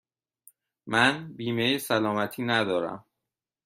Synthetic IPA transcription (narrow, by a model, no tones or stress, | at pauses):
mænbiːmejesælɒːmæt̪ʰiːnæd̪ɒːɾæ̰m